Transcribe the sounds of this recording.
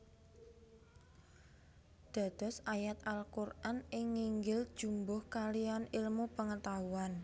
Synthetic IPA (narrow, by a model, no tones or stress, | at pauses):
d̪̥a̤d̪̥ɔ̤sajat̪alkurʔanɪŋːiŋɡɪld̥ʒ̥ṳmbʊhkalianilmupəŋət̪auan